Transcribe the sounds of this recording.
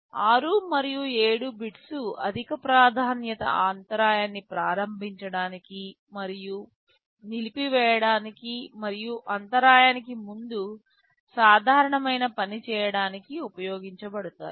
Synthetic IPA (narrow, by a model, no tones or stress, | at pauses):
aːɾumɐɾijue̞ːɽubiʈsuɐ̰d̪ʱikɐpɾaːd̪ʱaːnjɐt̪ɐ̰aːnt̪ɐɾaːjaːnːipɾaːɾɐmbʱiɲt͡ʃɐɽaːniki | mɐɾiju | nilipiʋɛːjɐɽaːnikimɐɾijuʔɐnt̪ɐɾaːjaːnikimund̪u | saːd̪ʱaːɾɐɳɐmɐjnɐpɐnit͡ʃɛːjɐɽaːnikiupɐjoːɡiɲt͡ʃɐbɐɽut̪a̰ːji